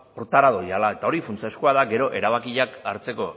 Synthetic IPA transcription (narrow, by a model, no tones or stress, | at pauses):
oɾt̪aɾaðojalae̞t̪ao̞ɾifunt͡siaskoaðaɡe̞ɾo̞ʔe̞ɾaβ̞akiʎakaɾt͡se̞ko̞